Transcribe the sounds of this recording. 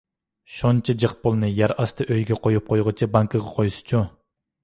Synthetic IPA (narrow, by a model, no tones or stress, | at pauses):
ʃont͡ʃʰid͡ʒɨχpolˠnɨjæɾɑst̪ɨʔøjɡʲɛqʰojup̚qʰojʁət͡ʃʰibɑŋkʰɨʁɑqʰojsɨ̥t͡ʃʰu